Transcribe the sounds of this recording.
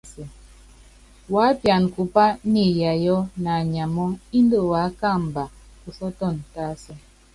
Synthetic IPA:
sɛ˨ | wa˨˦pja˨n˨ku˨pa˦ni˦˨ja˨jɔ˦na˨ɲa˨mɔ˦i˦n˦də˦˨wa˨˦ka˦˨m̩˨ba˨ | u˨sɔ˦tɔ˦˨n˨ta˦sɛ˦

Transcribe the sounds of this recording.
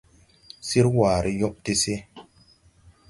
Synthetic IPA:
si˦ɾwaː˨ɾʔi˦jo˦ʔte˦se˦

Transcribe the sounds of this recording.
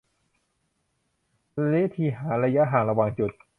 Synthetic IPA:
leː˦˥t̪ʰiː˧˩ɦaː˩˦ɾa˧ja˦˥ʔɦaː˨˩nɾa˧wa˧ŋt͡ɕu˨˩t̪̚

